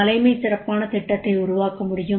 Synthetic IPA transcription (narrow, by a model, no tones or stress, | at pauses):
ɐlɐɪmɐɪsɪɾɐpːaːnɐt̪ɪʈːɐt̪ːɐɪʊɾʊʋaːkɐmʊɽɪjɯ